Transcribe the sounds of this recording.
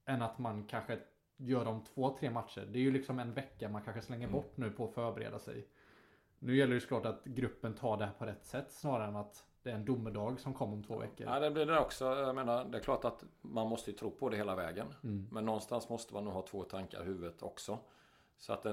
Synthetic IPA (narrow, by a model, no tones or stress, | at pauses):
ɛnːat̪mankʰanɧə | jœːɖɔmt̪ʰv̥oːt̪ʰɾeːmat̪ʂə̰ɾɖɛæɾjɵlɪksɔmɛnvɛkːamankʰanɧəslɛŋːəɾbɔʈːnʉ̟ːpʰɔːfœːɾbɛɾḛːd̪asɛ̰j | nʉ̟ːjɛlːəjʏsɔklɑːʈat̪ɡɾɵpːənt̪ʰɑːɖɛhæːɾpʰɔɾɛt̪ːsɛt̪ːsnɑːɾaɾɛnat̪d̪̥ɛæɾɛnd̪ʊmːəɖɑːɡsɔmkʰɔmːɾɔmt̪ʰvo̰ːvɛ̰kːə̰ɾad̪ɛblɪɖɛɾɔksɔjameːnaɾd̪ɛæklɑːʈat̪manmɔst̪əjɵt̪ʰɾuːpʰɔd̪ɛheːlavɛ̰ːɡənmɛnːɔnst̪ansmɔst̪əma̰nːuːɡhɑːt̪ʰvoːt̪ʰaŋka̰ɾhʉ̟ːvət̪ʰɔ̰ksɔ | sɔa̰t̪̚d̪ɛ